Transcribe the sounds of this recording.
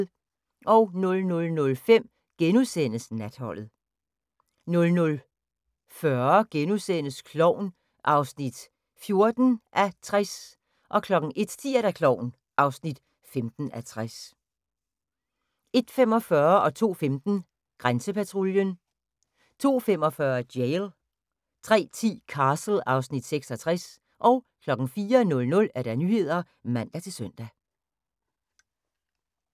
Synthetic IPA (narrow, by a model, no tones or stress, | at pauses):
ʔɒʊnɔ̽lnɔ̽lnɔ̽lfem̰ | ɡ̥enusen̰əsnæd̥hɒ̽l̰ð̩ˠ | nɔ̽lnɔ̽l | fɶɐɡ̥enusen̰əskʰlɒʊ̰n | ʔɑ̈ʊsnid̥ | fjo̝ɐd̥n̩ʔæt͡sʰʁas | ʔɒ̽kʰlɒ̽ɡ̥ŋ̩ʔe̝d̥sd̥ʰḭːɐɾ̥ækʰlɒʊ̰n | ʔɑ̈ʊsnid̥ | femd̥n̩æt͡sʰʁas | e̝d̥femɒ̽fɶɐʔɒ̽t͡sʰo̝̰ːfemd̥n̩ | ɡ̥ʁansəpʰæt͡sʰʁoljən | t͡sʰo̝̰ːfemɒ̽fɶɐd̥jeɪl | t͡sʰʁɛ̰ːt͡sʰḭːkʰɑ̈ːsl̩ɑ̈ʊsnid̥seɡ̥sɒ̽t͡sʰʁas | ʔɒ̽ʊ | kʰlɒ̽ɡ̥ŋ̩fiːɐnɔ̽lnɔ̽læɐɾ̥ænyːhe̝ð̞̰ˠɐ | mæn̰d̥æt͡sʰe̝lsœn̰d̥æ